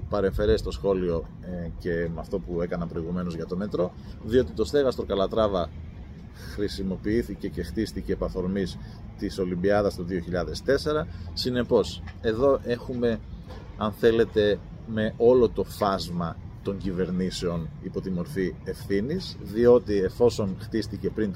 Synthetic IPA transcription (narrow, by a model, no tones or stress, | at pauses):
pɐɾe̞ɱfe̞ɾest̪o̞sxo̞lio̞ | ce̞mɐft̪o̞pue̞kɐnɐpɾoiɣume̞no̞zʝɐt̪o̞me̞t̪ɾo̞ | ðio̞t̪it̪o̞st̪e̞ɣɐst̪okɐlɐt̪ɾɐvɐ | xɾisimo̞piiθice̞ce̞xt̪ist̪iceːpɐθo̞ɾmis | t̪iso̞limbiɐðɐst̪oðio̞çiʎɐðe̞st̪e̞se̞ɾɐsine̞po̞se̞ðo̞ʔe̞xume̞ | ɐnθe̞le̞t̪e̞ | me̞ʔo̞lot̪o̞fɐzmɐt̪oɲɟive̞ɾnise̞o̞nipo̞t̪imo̞ɾfie̞fθinizðio̞t̪ie̞fo̞so̞nxt̪ist̪ice̞pɾint̪